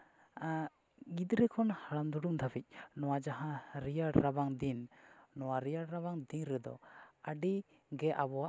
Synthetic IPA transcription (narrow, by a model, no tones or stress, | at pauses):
ɡid̪ɾɛkʰɔnhaɽamd̪uɖumd̪ʱabic̚nɔwad͡ʒaɦãɾijaɽɾabaŋd̪innɔwaɾijaɽɾaβaŋd̪inɾɛd̪ɔ̰aɖi | ɡɛʔabɔa